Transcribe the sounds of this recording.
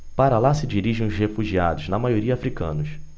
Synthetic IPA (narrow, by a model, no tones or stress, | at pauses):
paɾɐlasɪd͡ʒiɾiʒẽj̃ʊzhefuʒia̰d̪ʊznɐmajoɾiɐaːfɾikɐ̰̃nʊs